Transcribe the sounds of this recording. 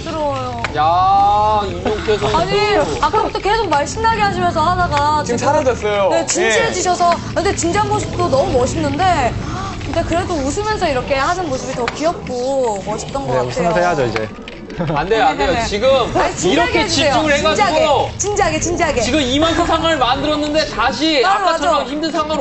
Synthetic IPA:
tɯɾʌjoja | uɲoŋtʰes̬ʰoaɲiak͈at͈oke̞sʰok̚maɭɕ͈innaɡeɦaɕ̬ʰimjʌnsʰʌhadaɡaiɯmsʰaɾad͡ʑʌs͈ʌjone̞t͡ɕind͡ʑid͡ʑiɕʰʌsʰʌkɯndet͡ɕind͡ʑiɦanmoɕʰip̚t͈onʌmumʌɕʰinːɯnde̞ | kɯndekɯɾe̞dous̬ʰɯmjʌnsʰʌiɾʌkʰe̞haɕɯnmosʰɯbitʌkiʌp̚k͈umʌɕʰi̥p̚t͈ʌnɡʌekatustʰenjotʰeɦad͡ʑoid͡ʑe̞̰ | andejandejoet͡ɕiɡɯmat͡ɕiiɾʌkʰed͡ʑiisejooŋɯɭheɡad͡ʑaɡot͡ɕind͡ʑiɦaɡet͡ɕind͡ʑiɦaɡeiɡɯmimanssʰaŋɡaɾɯɭmandɯɾʌnːɯnde̞taɕʰiaaaʌoʌmçimdɯnsʰaŋa

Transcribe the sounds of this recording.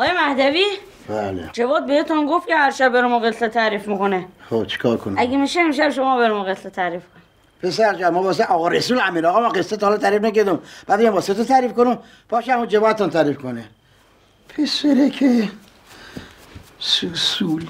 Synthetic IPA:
ɒːjemæhd̪æviː | b̥æːlḛd͡ʒevɒːd̪̚behet̪unɡoft̪kʰehæɾʃæbːeɾemɔɣet̪ʰlet̪ʰæɾiːfmikonexot͡ʃʰi̥kʰɒːɾkʰoniæɡemiʃeemʃ̬æbʃ̬omɒːbeɾemɔɣet̪ʰlet̪ʰæɾiːfkʰoni | pʰesæɾd͡ʒæɾmɔːbɒːs̬eʔɒːɣɔːɾesuːlæmiːɾɒːɣɔmaːqesːet̪ːhɒlt̪ʰæɾiːfnækæɾd̪umb̥æːd̪ijɛmbɒset̪ot̪ʰæːɾiːfkonum | b̥ɒːʃæmud͡ʒevɒːd̪et̪ʰunt̪ʰæːɾiːfkʰone | pʰeseɾekʰe | susul

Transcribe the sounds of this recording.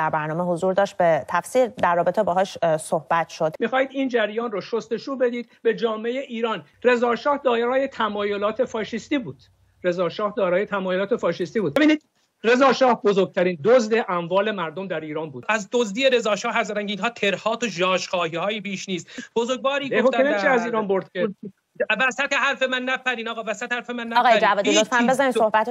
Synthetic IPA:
d̪æɾbæɾnɒːmeɦozuɾd̪ɒːʃt̪̚bet̪ʰæfsiːɾd̪æɾːɒːbe̞t̪ʰebɒːɦɒʃsohb̥æt̪ʃod̪̥mixɒːhiːd̪iːnd͡ʒæɾjɒːnrɔːʃost̪e̞ʃuːbe̞d̪iːd̪be̞d͡ʒɒːmeejeʔiːɾɒːn | re̞zɒːʃɒːhd̪ɒːɾɾɒːjet̪ʰæmɒːjo̞lɒːt̪ʰe̞fɒːʃist̪iːbuːd̪̥ | re̞zɒːʃɒːhd̪ɒːɾɒːjet̪ʰæmɒːjolɒːt̪ʰe̞fɒːʃist̪iːbuːd̪ebiːniːd̪̚ | re̞zɒːʃɒːhbo̞zoɾɡ̚t̪ʰæɾiːnd̪ozd̪e̞ʔæmvɒːle̞mæɾd̪omd̪æɾiːɾɒːnbuːd̪æzd̪ozd̪iːjeɾe̞zɒːʃɒːhæɾzæd̪ænŋkeiːnɦɒːt̪ʰe̞ɾhɒːt̪oʒɒːʃχɒːhiːhɒːjibiːʃniːst̪b̥ozoɾɡ̚vɒːɾiːɡohoemeʃiæziːɾɒːnbo̞ɾd̪̥̚kʰe | væsæt̪ehæɾfe̞mænːæpʰæɾiːnɒːɣɑːvæsæt̪ehæɾfemænːæɣɑːjeɾd͡ʒævɒːdilot̪fænbezanisohbæt̪

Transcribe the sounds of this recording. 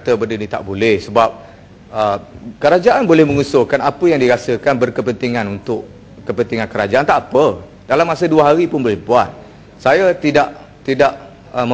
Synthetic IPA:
t̪əbəndənit̪a̰ʔbolɛhsəbap̚ | əkəɾad͡ʒaʔanbolɛhmə̃ŋusʊhkanapəjaŋdiɾasəkanbərkəpənt̪iŋãnunt̪ʊʔ | kəpənt̪iŋankəɾad͡ʒaʔant̪aʔpə | d̥alamːasəduəɦaɾipʊnbolɛhbuat̪̚ | sajat̪idaʔ | t̪idaʔ | əmə

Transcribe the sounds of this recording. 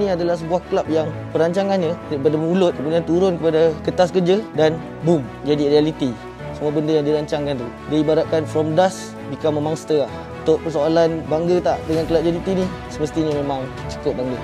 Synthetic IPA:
nĩadalahs̬əbuahklap̚jaŋ | pəɾaɲt͡ʃaŋanɲaɾapadamulʊt̪̚kəmudiant̪uɾʊnkəpadakət̪askərd͡ʒədan | bumd͡ʒadiɾialit̪i | səmuabəndəjaŋdiɾaɲt͡ʃaŋkant̪u | daibaɾat̪̚kanfɾɔmdas | bikamẽmaŋsə̥t̪əah | unt̪ʊʔ̚pəsoalanbaŋɡət̪aʔdəŋankəlap̚d͡ʒadit̪ini | səməst̪iɲamẽmaŋt͡ʃə̥kʊt̪̚baŋɡə

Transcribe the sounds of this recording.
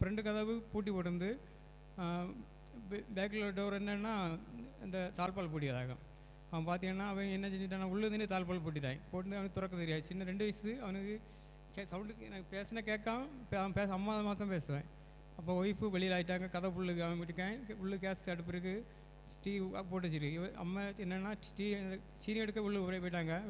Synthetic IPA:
fɾɛɳɖɯkɐðɐʋɯpuːʈ̬ːipoːʈːɯnd̪ɯ | beːk̬ːlɐɖoːɾɛnːɐːnːaːɪnd̪ɐt̪aːlpaːɭp̬uːʈ̬ːɪʋɐðaːɣɐ̰ | ɐʋɐ̃paːɾt̪ɪŋɐnːaːɐʋɐ̃ɛnːɐt͡ʃɛɲːd͡ʒɪʈ̬ːaːnãːʊɭːɯðɯnːɯt̪aːlpaːlp̬uːʈ̬ːɪʈ̪̬ːãːŋpoːʈɯnd̪ɯɐʋɐnɯkːɯt̪ʊɾɐkːɐt̪ɛɾɪjaːðɯt͡ʃːɪnːɐɾɛɳɖɯʋɐɪsɯɐʋɐnɯkːɯ | kesɐʋʊɳɖnɐpeːsɐnɐkeːkːãːpɐɐpeːsɐmːaɐmaːt̪̬ːɐ̃peːsɯʋḛ̃ː | ɐpːoːɔjɪpːɯʋɛɭɪjɪlaːjɪʈ̬ːaːŋɡɐkɐðɐ̃pʊɭːɯkɯɐʋɐ̃ɪʈːɯkːẽːʊɭːɯk̬eːsɐɽɯp̬ːɪɾɯk̬ːɯ | ʈḭːpoːʈ̬ːɯt͡ʃːɪɾɯʋɐɐ̰mːɐɛnːɐnːaː | ʈiːnd̪ɐ | t͡ʃiːnɪɐɽɯkːɐʊɭːɯɔɾɐpoːɪʈ̬ːaːŋɡɐ

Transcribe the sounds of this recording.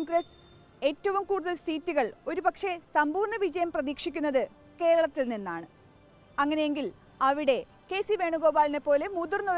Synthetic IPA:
ŋɡres | eːtːɐʋumkuːɽuðɐlsiːtːuɣɐɭo̞ɾubɐkʂe̞sɐmbuːrɳɐʋid͡ʑɐjɐmprɐðiːkʂikʲːunːɐðɨ | ke̞ːɻɐɭɐt̪ːilninːaːɳɨ | ɐŋːɐne̞jeŋɡil | ɐʋiɽe̞ | ke̞ːsiʋe̞ːɳuɣo̞ːbaːline̞pːo̞ːle̞muðurno

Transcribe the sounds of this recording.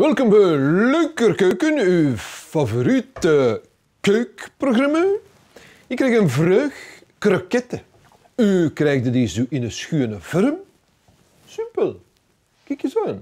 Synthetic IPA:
ʋɛlˠkɔmbəløkərkøːkənyfavoɾitə | køːkproɣrama | ɪkːɾɛjxənvɾøːx | krakɛtə | ykrɛːjɣdədezuːʔɪnəsxyənəvɔɾm | sypəl | kɛkjəzan

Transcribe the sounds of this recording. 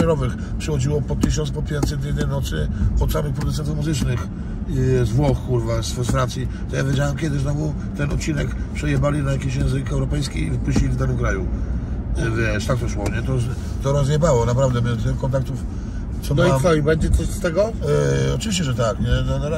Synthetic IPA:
ɛɾɔvɘx | pʂɛxɔd͡ʑiwɔpɔt̪ɘɕ̬ɔnspɔpʲjɛnt̪sɛt̪vʲjɛd̪nɛjnɔt̪sɘpɔt̪samixpɾɔd̪ut̪sɛnt̪ufmuzɘt͡ʂnɘx | zvwɔxkuɾvasfɛsfɾansʲji | t̪ɔjavʲjed͡ʑawamkʲɛd̪ɘznɔvu | t̪ɛnɔ̰t̪̚t͡ɕːinɛkpʂɛjɛbalʲinajakʲiɕjɛ̃ñzɘkɛwɾɔpɛjskʲḭivpuɕt͡ɕilʲivd̪anɨmkɾaju | vʲjɛʂt̪ak̚t̪ɔʂwɔɲɛt̪ɔ | d̪ɔɾazɲɛbawɔnapɾavd̪ɛmʲɛt̪kɔnt̪̬ak̚t̪uf | sɔd̪ikɔibɛɲd͡ʑɛt̪ɔt̪ɛɡɔ | ɔt͡ʃɨvʲiɕt͡ɕɛʐɛt̪akɲɛnɔnɔɾ

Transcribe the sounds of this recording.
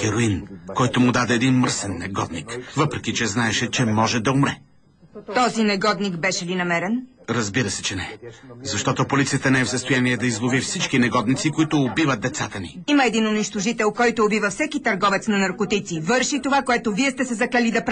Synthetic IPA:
xɛɾoinkɔjt̪omʊd̪ad̪ɛːd̪inməɾsɛnːɛɡɔd̪nikvɤpɾɛkit͡ʃɛznaɛʃɛt͡ʃɛmɔʒɛd̪ɐʊmɾɛ | t̪ɔzinɛɡɔd̪nikbɛʃɛlinɐmɛɾɛnɾɐzbiɾəsɛ̥t͡ʃɛnɛzɐʃt̪ɔt̪opolit̪sijət̪ənɛɛfsəst̪ojaniɛd̪ɐizlˠovifsit͡ʃkinɛɡɔd̪nit̪sikoit̪ʊːbivət̪̚d̪ɛt̪sat̪ənḭimɐɛd̪inʊniʃt̪oʒit̪ɛlˠkɔjt̪oːbivɐfsɛkit̪ɐɾɡɔvɛt̪snɐnɐɾkot̪it̪sivɤɾʃit̪ovakoɛt̪oviɛst̪ɛsɛzɐklɐlid̪ɐpɾ

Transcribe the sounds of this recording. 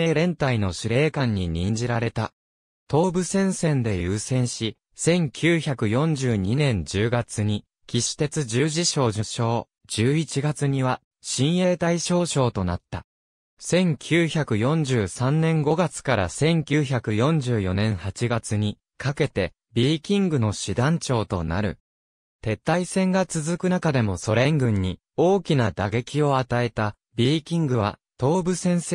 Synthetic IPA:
eːɾẽ̞nt̪aino̞ɕiɾe̞ːkãɲ̟ːiɲ̟ĩɲd͡ʑiɾaɾe̞t̪a | t̪o̞ːbɯ̟sẽ̞ɰ̃sẽ̞nd̪e̞jɯːsẽ̞ɰ̃ɕi | sẽ̞ŋkʲʰɨːçakɯ̟jõ̞ɲd͡ʑɨːɲ̟inẽ̞ɲd͡ʑɨːɡat͡sɨɲ̟i | kʲiɕi̥t̪e̞t͡sɨd͡ʑɨːʑiɕo̞ːʑɨɕo̞ː | d͡ʑɨːit͡ɕiɡat͡sɨɲ̟iβa | ɕĩɰ̃je̞ːt̪aiɕo̞ːɕo̞ːt̪o̞na̰t̪ːa | sẽ̞ŋkʲʰɨːçakɯ̟jõ̞ɲ̟d͡ʑɨːsãnnẽ̞ŋɡo̞ɡat͡sɨ̥kaɾa̰sẽ̞ŋkʲɨːçakɯ̟jõ̞ɲ̟d͡ʑɨːjo̞nẽ̞ɰ̃hat͡ɕiɡat͡sɨɲ̟i | kake̞t̪e̞ | bʲiːkʲĩŋɡɯ̟no̞ɕid̪ãɲt͡ɕo̞ːt̪o̞̰na̰ɾɯ̟̰ | t̪e̞t̪ːaisẽ̞ŋɡat͡sɨzɨkɯ̟nakad̪e̞mo̞so̞ɾe̞ŋɡɯ̟̃ɲ̟ːi | o̞ːkʲinad̪aɡe̞kʲio̞at̪ae̞t̪a | bʲiːkʲĩŋɡɯ̟βa̰t̪o̞ːbɯ̟sẽ̞ɰ̃se

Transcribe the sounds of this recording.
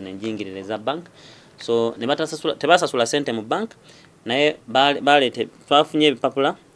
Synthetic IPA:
ne̞ːɲɟiːŋɡiɾiɾezabaŋk | so̞neβatasasulateβasasulase̞ːntemubaŋk | naje̞βalβaleːtetwaːfuɲe̞ːβipapula

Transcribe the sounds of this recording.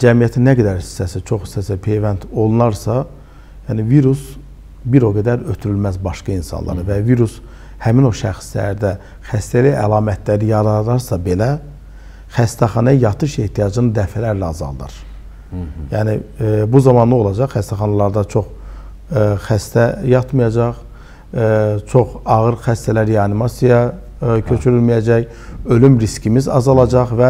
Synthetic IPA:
d͡ʒæmijæt̪ʰinːæɡæd̪æɾi̥sːæsit͡ʃʰo̞χi̥sːæsipʰe̞jvænt̪ʰo̞lˠnɑɾsɑ | jæːniviɾus | biɾo̞ɡæd̪æɾøt̪ʰyɾylmæzbɑʃkɑinsɑ̰nlˠɑ̰ɾɯvæviɾus | hæmino̞ʃæ̰xslæ̰ɾd̪æ | xæst̪æliælˠɑːmæt̪ʰlæɾijɑɾɑd̪ɑɾsɑbe̞læ | xæst̪ʰæχɑnɑjɑt̪ʰɯʃe̞ht̪ʰijɑd͡ʒɯnɯd̪æfælæɾlæɑzɑ̰lˠd̪ɯ̰ɾ̥ | jæːnibuzɑmɑnlˠɯo̞lˠɑd͡ʒɑχːæst̪æχɑnɑlˠɑɾd̪ɑt͡ʃʰo̞χ | xæst̪ʰæjɑt̪mɯjɑd͡ʒɑʁ | t͡ʃʰo̞χɑɣɯɾxæst̪ælæɾiɑnimɑsijɑ | cʰø̞t͡ʃʰyɾylmijæd͡ʒæj | ø̞lymɾiscimizɑ̰zɑlˠɑd͡ʒɑʁvæ

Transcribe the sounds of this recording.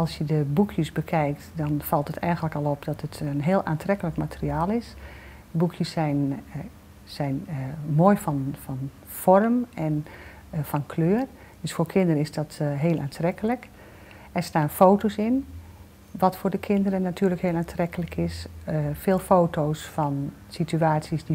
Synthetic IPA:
ɑlˠsjədəbukʰjəsbəkʰɛjk̚tdɔnfɑlˠtətʰɛjɣənləkɔlˠɔpdɔtətənɦeːlˠʔaːntrɛkələkmatʰəriaːlˠɪs | bukʰjəsɛn | sɛjnmoəjfɔnfɔn | fɔrəmɛn | fɔnkʰløːər | d̥øsfoːrkʰɪndəɾənɪsdɔtɦeːəlˠʔa̰ːntʰrɛkələk | ɛrstaːnfoːtosɪn | ʋɔtfoːrdəkʰɪndəɾənːatʰyːrləkheəlˠaːntrɛkələkʰɪsfeːlˠfoːtʰoːsfɔn | sityaːtsjəsdi

